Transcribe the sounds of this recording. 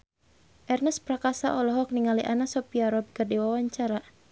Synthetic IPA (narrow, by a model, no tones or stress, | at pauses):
ʔɛrnəspɾakasa̰ʔɔlɔɦɔk̚niŋaliʔanasɔpiaɾɔb̚kərdiwawaɲt͡ʃaɾa